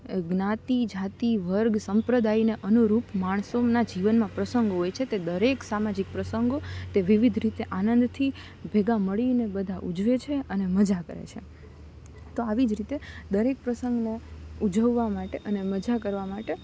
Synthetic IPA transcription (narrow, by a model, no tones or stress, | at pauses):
ɡnat̪id͡ʒat̪iʋəɾɡsəmpɾəd̪aineʔənuɾupmaɳ̃sonad͡ʒiʋənmãpɾəsəŋɡoɦojt͡ʃʰet̪ed̪əɾeksamad͡ʒik̚pɾəsəŋɡot̪eʋiʋid̪ʱɾit̪eʔanənd̪t̪ʰi | bʱeɡaməɭinebəd̪ʱaʔud͡ʒʋet͡ʃʰeəneməd͡ʒakə̰ɾḛt͡ʃʰḛ | t̪oaʋid͡ʒɾit̪ed̪əɾek̚pɾəsə̃ŋɡneud͡ʒəʋːamaʈeʔəneməd͡ʒakəɾʋamaʈe